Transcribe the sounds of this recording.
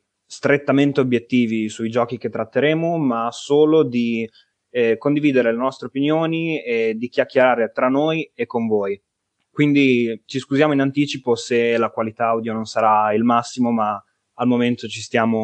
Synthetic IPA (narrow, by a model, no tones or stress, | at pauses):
st̪ɾet̪ːament̪eobjet̪ːiːvisuid͡ʒɔːkik̟et̪ːɾat̪ːeɾeːmomasoːlod̪i | kond̪iviːd̪eɾelenɔst̪ɾeopinjoːnied̪ik̟jakːeɾaːɾet̪ɾanːoːjekːoɱvoːj | kwind̪it͡ʃiskuzjaːmoinant̪iːt͡ʃiposelakwalit̪aawd̪jononsaɾailmasːimoma | almoment̪ot͡ʃist̪jaːmo